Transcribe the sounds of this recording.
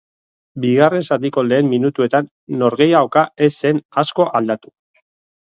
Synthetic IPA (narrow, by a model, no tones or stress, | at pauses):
biɣare̞nsat̪iko̞le̞ːmːinut̪ue̞t̪anː | o̞ɾɣe̞jaokae̞se̞nasko̞ʔald̪at̪u̥